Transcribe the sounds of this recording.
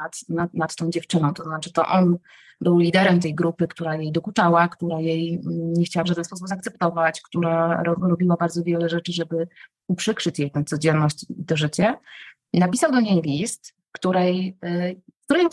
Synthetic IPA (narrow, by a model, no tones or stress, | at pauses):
at̪nanat̪t̪ːɔ̃w̃d͡ʑɛft͡ʂɘnɔ̃w̃t̪ɔznat͡ʂɘ̥t̪ɔ̰ʔɔn | bɘwlʲid̪ɛɾɛmt̪ɛjɡɾupɘkt̪uɾajejd̪ɔkut̪awakt̪uɾajej̩ɲɛxt͡ɕawavʐad̪ɛnspɔs̬ubzaːkt̪sɛp̚t̪ɔvat͡ɕkt̪uɾaɾɔɾɔbʲiwabaɾd̪zɔvʲjɛlɛʐɛt͡ʂɘʐɛbɘ | upʂɘkʂɘt͡ɕjejt̪ɛw̃t̪sɔd͡ʑɛnːɔɕt͡ɕit̪ɔʐɘt͡ɕɛ | napʲisawd̪ɔɲejlʲist̪ | kt̪uɾɛj | kt̪uɾɛj